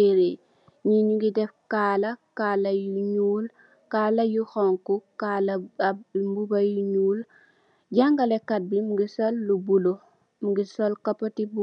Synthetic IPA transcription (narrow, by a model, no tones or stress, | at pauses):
eɾe | ɲiɲuɡidɛfkaːlɐkaːlɐjuɲuːl | kaːlɐjuxɔŋkukalɐ | mbubɐjuɲuːl | ɟaŋɡɐlɛkɐt̚bimuɡisɔlːubulu | muɡisɔlkɐpɐtibu